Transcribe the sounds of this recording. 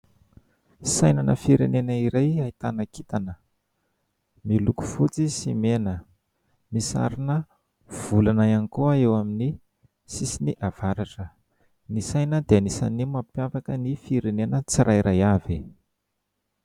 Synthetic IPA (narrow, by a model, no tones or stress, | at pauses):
sajnanə̰fiɾenenəiɾajait̪anakit̪anə | miluku̥fut͡sisimenə | misa̰ɾinə | v̥ulanajanikoaewamini | sisiniʔav̥aɾaʈ͡ʂə | nisajnəd̪eanisa̰nimapjafakənifiɾenenət͡siɾʔajiɾajavi